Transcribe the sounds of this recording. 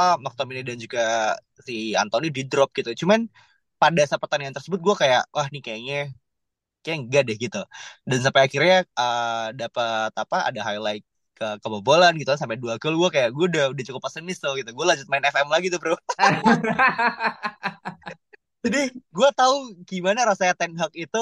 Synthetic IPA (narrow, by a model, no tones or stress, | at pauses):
amɔk̚t̪ominidand͡ʒuɡa | sia̰nt̪onididɾɔp̚ɡ̥it̪ut͡ʃuman | padasapərt̪aniant̪ərsəbʊt̪̚ɡuakajaʔwʔahnikajaɲa | kajaŋɡadɛhɡit̪udans̬ampaakirɲaʔədapat̪apaa̰daɦajlaɪk̚ː | əkəbəbolanɡit̪ukansampɛduakəlɡuakajaʔɡuadaudat͡ʃukʊpːasənɪst̪ʊɡit̪uɡualad͡ʒʊt̪̚maɪnɛfɛmlaɡit̪upɾu | d͡ʒadiɡuat̪auɡimanaɾasaat̪ɛnɦak̚it̪u